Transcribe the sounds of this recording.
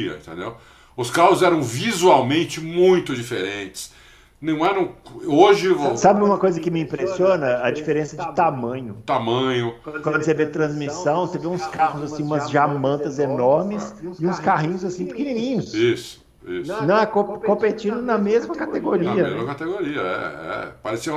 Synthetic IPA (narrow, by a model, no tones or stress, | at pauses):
ɐ̰ĩt̪ḛ̃nd̪ew | ʊskaɦʊzɛɾɐ̃w̃vizuawmẽnt͡ʃɪmũj̃t̪ʊd͡ʒifeɾẽt͡ʃɪ̥s | nɐ̃w̃ɛɾɐ̃w̃oʒɪvosabɪũmɐkojzɐkɪmɪĩpɾesiõnɐɐd͡ʒifeɾẽsɐd͡ʒɪt̪amɐ̃ɲʊt̪amɐ̃ɲʊ̃kwɐ̃nd̪ʊsevet̪ɾɐ̃zmisɐ̃w̃seveũskahʊzasĩũmɐzʒamɐ̃nt̪ɐzenɔɾmɪsɪũskaɦĩɲʊzasĩpɪkininĩɲʊsisʊ̥ | ḭsnɐ̃ɛkõkõpet͡ʃĩnd̪ʊnɐmezmɐkat̪eɡoɾiɐezmɐkat̪eɡoɾiɐ̰ɛ̰ɛ̰paɾesiɐ̃